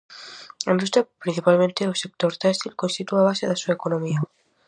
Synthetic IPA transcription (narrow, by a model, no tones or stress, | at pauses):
enbɾust̪epɾin̟θipalmẽnt̪eosek̚t̪oɾt̪ast̪ilkonst̪it̪uaβ̞aseðesuekonomia